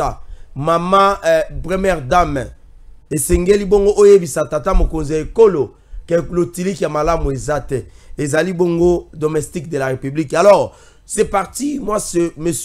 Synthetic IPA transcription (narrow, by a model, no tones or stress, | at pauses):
amamabʁemɛʁdam | esɛŋɡeliboŋɡoʔojebisatatamokonziaekolo | kelotilikjamalamoezatɛezaliboŋɡodomɛstikdelaʁepyblikalɔʁ | sɛpaʁtimwasemes